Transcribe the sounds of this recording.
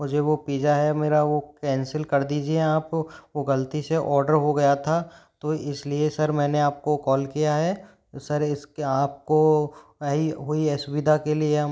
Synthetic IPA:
mʊd͡ʒʱeʋopiːd͡ʒaɦɛmeːɾaʋokɛ̃ːnsəlkɐɾd̪iːd͡ʒieaːpʋoɡɐlt̪iseʔɔːɾɖəɾɦoɡɐjat̪ʰa | t̪oɪsliesɐɾmɛ̃ːneaːp̚kokɔːlkijaɦɛː | sɐɾɪskaːp̚ko | ɦiɦoiɛsʊʋɪd̪ʱakelie

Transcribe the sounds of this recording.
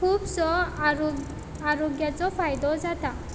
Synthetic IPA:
kʰubsɔ | aɾɔɡjat͡sɔpʰajd̪ɔd͡zat̪a

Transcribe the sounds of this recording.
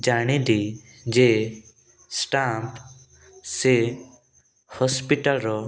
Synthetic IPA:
d͡ʒaɽ̃id̪i | d͡ʒe | sʈap | se | hɔspiʈəlɾɔ

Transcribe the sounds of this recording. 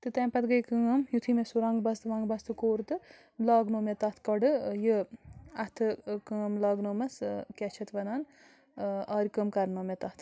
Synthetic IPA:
t̪ɨt̪ɐːmpɐt̪ɡɐjkɨɐmjut̪ʰimesuɾãːŋɡbɐst̪ɨʋãːŋɡbɐst̪ɨkoːɾt̪ɨ | laːɡnomet̪ɐt̪ʰkɐɖɨjɨɐt̪ʰɨkɨmlaːɡnomɐskʲɛt͡ʃʰɐt̪ʋɐnaːn | ɐːɾʲkəmkɐɾnomʲet̪ɐt̪ʰ

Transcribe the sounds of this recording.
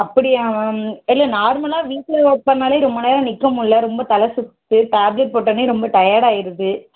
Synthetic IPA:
ɐpːɐɽɪjaːmɐɪlːɐnaːɾmɐlãːʋiːʈlɐoːʈ̚pɐnːaːleːɾɔmbɐneːɾɐnɪkːɐmʊlːɐɾɔmbɐt̪ɐlɐsʊkt̪ːɯʈaːblɛʈ̚poːʈːɐniɾɔmbɐʈɐjaːɽaːjɪɾɐðɯ

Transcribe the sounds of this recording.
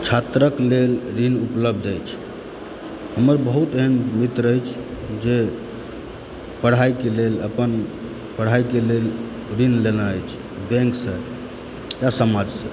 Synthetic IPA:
t͡ʃʰat̪ɾəklelɾinupləbd̪ʱəjt͡ʃʰ | həməɾbəɦut̪eɦənmit̪ɾəjt͡ʃʰd͡ʒe | pəɽ̤ajkeleləpən | pəɽ̤aikelel | ɾinlenaəjt͡ʃʰ | bɛ̃ŋksə̃ | jasəmad͡ʒsə̃

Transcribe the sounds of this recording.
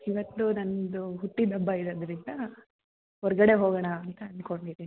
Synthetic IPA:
iʋɐt̪ːunɐnd̪uɦuʈ̪ːid̪ɐbːɐiɾɐd̪ɐɾind̪ɐ | ɦɔɾɐɡɐɽe̞ɦoːɡɐɳɐːnt̪ɐːɳɖkoɳɖiɾi

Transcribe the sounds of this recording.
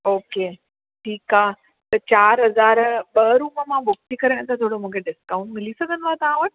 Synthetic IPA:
oːkeː | ʈʰiːkaː | t̪ɐt͡ɕaːɾɦɐzaːɾɓɐɾuːməmãbʊk̚t̪ikɐɾəɽ̃t̪at̪ʰoːɽomũːkʰeɖɪskãʊ̃ɳʈmɪlisɐɡʱənɪ̆t̪at̪ɐʋãʋəʈ̚

